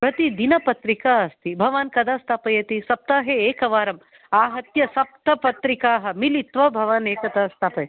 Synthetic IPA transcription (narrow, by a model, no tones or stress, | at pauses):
pɾɐt̪id̪inɐpɐt̪ɾikaːɐst̪ibʱɐʋaːnkɐd̪aːst̪ʰaːpɐjɐt̪isɐp̚t̪aːɦeeːkɐʋaːɾɐm | aːɦɐt̪jɐsɐp̚t̪ɐpɐt̪ɾikaːɦɐ̆milit̪ʋɐbʱɐʋaːneːkɐd̪aːst̪ʰaːpɐj